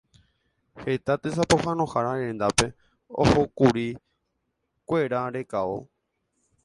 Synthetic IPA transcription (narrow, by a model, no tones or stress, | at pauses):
het̪at̪es̬apohãnõhaɾaɾẽnd̪ape̞ | o̰hokuɾi | kʷe̞ɾaɾe̞kaʋo